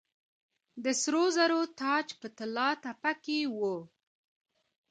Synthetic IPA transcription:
d̪əsɾozaɾot̪ɑt͡ʃpət̪ɪlɑt̪apakewə

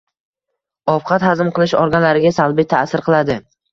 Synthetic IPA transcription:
ɒfqʰɑt̪hazɪmqɨlˠɪʃɒ̰ɾɡʲanlaɾɪɡʲasalˠbɪjt̪ʰasɪɾqʰɨlˠad̪ɪ

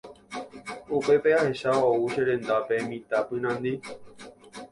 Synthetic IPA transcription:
upe̞peahe̞ʃaouʃeɾẽ̞nd̪ape̞mĩt̪apɨnãnd̪i

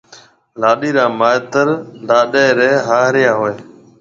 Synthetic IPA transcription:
laːɗiːɾãːmaːɪt̪əɾlaːɗeːɾeːɦaːɦɾɪjãːɦoːeː

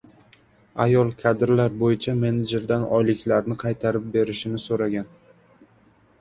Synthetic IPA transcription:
ajɒlˠkʰad̪ɪɾlaɾbojɪt͡ʃʰame̞ned͡ʒɪɾd̪anɒjlɪkʲlaɾnɪqʰɑjt̪ʰaɾɪp̚be̞ɾɪʃɪmnɪsoɾaɡʲan

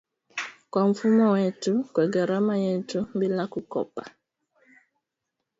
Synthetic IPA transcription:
kwaɱ̩fumɔwɛtukwɛɡaɾamajɛtum̩bilakukɔ̰pa̰

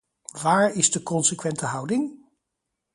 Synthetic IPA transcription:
ʋaːɹɪzdəkɔnsəkʋɛntəɦʌwdɪŋ

